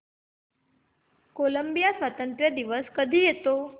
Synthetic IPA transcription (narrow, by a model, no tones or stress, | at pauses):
koləmbijasʋat̪ənt̪ɾjəd̪iʋəskəd̪ʱiːjet̪o